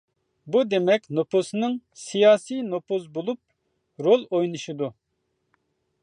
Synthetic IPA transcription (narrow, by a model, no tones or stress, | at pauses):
bud̪emɛkʲnoposnɨŋsijɑːsijnopozbolˠup̚ | ɾolˠojnɨʃɨd̪u